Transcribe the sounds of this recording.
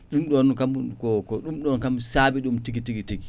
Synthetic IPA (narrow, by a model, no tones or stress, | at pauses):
ɗumɗɔnkamkɔkɔɗumɗɔnkamsaːbiɗumtiɡitiɡitiɡi